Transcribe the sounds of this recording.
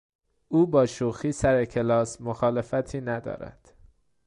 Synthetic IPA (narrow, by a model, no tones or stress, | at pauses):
ʔuːbɒːʃoxiːsæɾecʰe̞lɒːsmoxɒːle̞fæt̪ʰiːnæd̪ɒ̰ːɾæ̰d̪̥